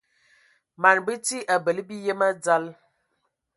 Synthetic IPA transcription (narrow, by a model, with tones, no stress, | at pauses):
ma˨nbɨ˦ti˦ʔa˨bə˨lbi˦jə˦ma˦d͡za˦l